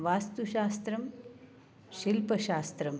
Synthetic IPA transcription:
ʋaːst̪uʃaːst̪ɾɐm | ʃilpɐʃaːst̪ɾɐm

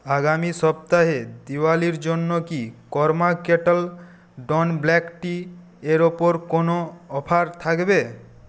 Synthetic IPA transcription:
aɡamisɔp̚t̪aɦed̪iwaliɾd͡ʑonːokikɔɾmakeʈal | ɖɔnblɛkʈi | eɾopoɾkonoɔpʰaɾt̪ʰakbe

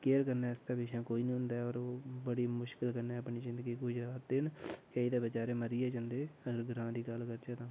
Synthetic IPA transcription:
keːɾkəɾnaːɪst̪aːbɪʃʰãːkoːiːnĩːɦʊ̃nd̪aːɛɔːɾoːbəɽiːmʊʃkɪlkəɾnɛːəpniːzɪ̃nd̪əɡiːkʊd͡ʒɾd̪ɪnkəiːd̪eːbət͡ʃaːɾẽːməɾiːeːd͡ʒãːnd̪eːəɡəɾɡɾãːd̪iːɡəlkəɾd͡ʒeːt̪ãː

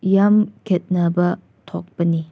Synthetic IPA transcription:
jamkʰʲet̪̚nəbə | t̪ʰok̚pəni

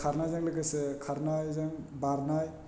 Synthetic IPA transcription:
kʰaɾnajzaŋlaɡasekʰaɾnajzaŋbaɾnaj

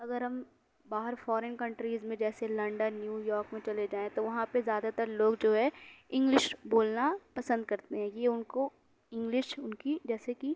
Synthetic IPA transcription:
ɐɡəɾɦɐm | baːɦəɾfɔːɾenkɐ̃ɳʈɾiːzmẽd͡ʒɛːselɐ̃ɳɖənːjuːjɔːɾkmẽt͡ʃɐled͡ʒaːẽt̪oʋɐɦãpezjaːd̪at̪əɾloːɡd͡ʒoːɦɛɪ̃ŋɡlɪʃboːlnapɐsə̃nd̪̚kɐɾt̪eɦɛ̃jeʊnko | ɪ̃ŋɡlɪʃʊnkid͡ʒɛːseki

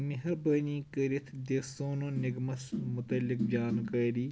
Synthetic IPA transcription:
miɦɐɾbəniːkəɾit̪ʰd̪eːsoːnõːnɪɡmɐsmʊt̪ɐlːɪk̚d͡ʒʲaːnkəːɾiː

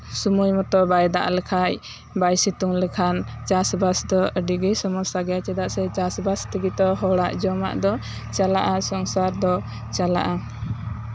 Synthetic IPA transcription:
sumujmɔt̪ɔbajd̪a̰ʔlɛkʰaj | bajsit̪uŋlɛkʰant͡ʃasbasd̪ɔəɖiɡəjsɔmɔsaɡɛjat͡ʃɛd̪aʔsɛt͡ʃasbast̪əɡit̪ɔɦɔɽaʔd͡ʒɔma̰ʔd̪ɔ | t͡ʃalaʔasɔŋsaɾd̪ɔ | t͡ʃala̰ʔa

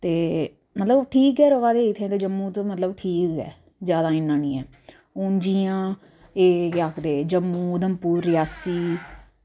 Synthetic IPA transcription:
t̪eː | mət̪ləbʈʰiːkɛːɾoːʋaːd̪eːɪt̪ʰẽːt̪eːd͡ʒəmːũːt̪ːmət̪ləbʈʰiːkɛ̰ː | zjaːd̪aːɪnːãːnĩːɛː | ʊnd͡ʒiːjãː | eːakʰd̪eːd͡ʒəmːuːd̪əmpuːɾːɪjaːsiː

